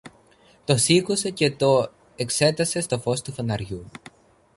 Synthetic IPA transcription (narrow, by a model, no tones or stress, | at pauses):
t̪o̞sikose̞ce̞t̪o̞ | e̞kse̞t̪ɐse̞st̪o̞fo̞st̪ufonɐɾʝu